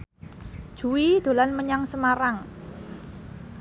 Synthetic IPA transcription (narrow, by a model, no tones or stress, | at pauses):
d̥ʒ̥ṳwid̪̥o̤lanməɲaŋsəmaɾaŋ